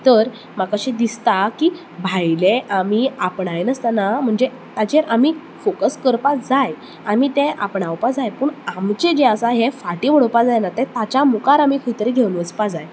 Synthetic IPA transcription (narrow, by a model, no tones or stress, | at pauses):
t̪əɾ | makaɕid̪ist̪akiː | bʱajleʔamiapɳajnəst̪anam̤əɳd͡ze | t̪at͡ɕeɾʔamiː | fokəskəɾpad͡zaj | amiːt̪ẽʔa̰pɳawpad͡zajpuːɳamt͡ɕed͡ʑeəsaɦefaʈiːʋ̤əɽəwpad͡zajnat̪ɛ̃t̪at͡ɕamukaɾamikʰəit̪əɾeɡʱewnʋət͡spad͡zaj